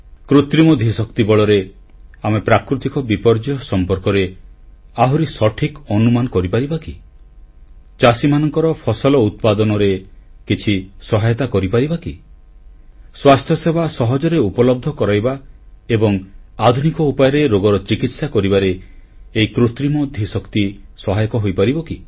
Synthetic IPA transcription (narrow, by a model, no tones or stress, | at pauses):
kɾut̪ɾimɔd̪ʱisɔkt̪ibɔɭɔɾe | amepɾakɾut̪ikɔbipɔɾd͡ʒɔsɔmpɔɾkɔɾe | aɦuɾisɔʈʰikɔnumanɔkɔɾipaɾibaki | t͡ʃasimanɔŋkɔɾɔpʰɔsɔlɔut̪̚pad̪ɔnɔɾekit͡ʃʰisɔɦajɔt̪akɔɾipaɾibaki | swast̪ʰjɔsebʱasɔɦɔd͡ʒɔɾeupɔlɔb̚d̪ʱɔkɔɾajba | ebɔŋad̪ʱunikɔupajɔɾeɾoɡɔɾɔt͡ʃikit̪sakɔɾibaɾeː | ikɾut̪ɾimɔd̪ʱisɔkt̪isɔɦajɔkɔɦojpaɾibɔki